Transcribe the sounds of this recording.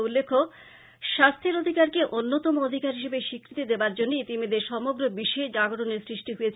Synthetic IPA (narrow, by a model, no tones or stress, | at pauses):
ulːekʰːo | ʃast̪ʰeɾod̪ʱikaɾkeʔonːot̪ɔmood̪ʱikaɾɦiʃebeʃikɾit̪id̪ebaɾd͡ʑonːet̪imid̪eɾʃɔmoɡɾobiʃed͡ʑaɡoɾoneɾsɾiʃʈiɦoet͡ɕʰ